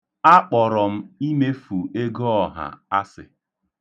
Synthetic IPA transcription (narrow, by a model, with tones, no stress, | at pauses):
a˦k͡pɔ˨ɾɔ˨m̩˦i˦me˦fu˨e˦ɡo˦ɔ˨ɦa̰˨a˦sɪ̰˨